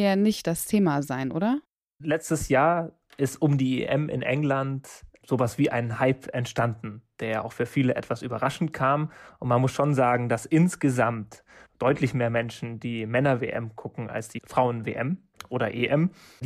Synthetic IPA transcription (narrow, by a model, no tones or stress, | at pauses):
janɪçt̚d̥astʰeːmazaɪnʔo̰ːɾɐ | lɛt͡stəsjaːɐ | ʔɪstʔʊmdiːḛʔɛmʔɪ̰nʔɛ̰ŋlantz̥oːvasv̥iːʔaɪnhaɪpɛntʃtandn̩d̥eːɐjaʔaʊxfyːɐfiːləʔɛ̰tv̥asʔyːbɐʁaʃn̩tkʰaːmʔʊntmanmʊsʃoːnzaːɡŋ̩d̥asʔɪnsɡ̥əzamt | d̥ɔʏtʰlɪçmeːɐmɛnʃn̩d̥iːmɛnɐvḛːʔɛ̰mkʰʊkŋ̩a̰lsd̥iːfʁ̥aʊənvḛːʔɛm | ʔoːɾɐʔeʔɛmd